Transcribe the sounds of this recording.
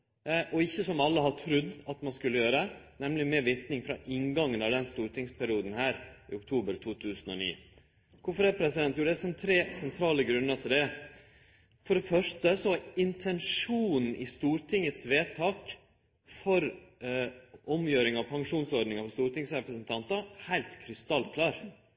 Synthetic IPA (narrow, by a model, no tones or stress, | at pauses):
ʔɔɪçːəsɔmɑlːəɦɑʈʰɾʉd̪ːɑt̪mɑnskʉlːəjøːɾənɛmlɪmeːʋɪt̪nɪŋfɾɑʔɪŋɡɑŋːənɑʋd̪ɛnst̪uːɾʈ̪ʰɪŋspʰæɾɪuːd̪n̩hæːɾḭːʊkt̪ʰuːbəɾt̪ʰuːt̪ʰʉːsənɔnḭː | kʰʊfɔɾɛpʰɾɛsɪd̪ɛnt̪juːɖɛæsɔmt̪ʰɾeːsɛnt̪ʰɾɑːləɡɾʉnːət̪ʰɪld̪ɛ | fɔɖɛfœʂʈəsɔhɑɪnt̪ʰɛnʂuːnn̩ʔɪst̪uːɾʈʰɪŋːət̪sʋeːt̪ʰɑːk | fɔɾ | ʔɔmjøːɾɪŋɑʋpʰɑŋʂuːnsɔɾɖnɪŋɑfɔst̪uːɾʈ̪ɪŋsɾɛpɾəsənt̪ʰɑnt̪ɑhæɪlt̪kʰɾɪst̪ɑlkʰlɑːɾ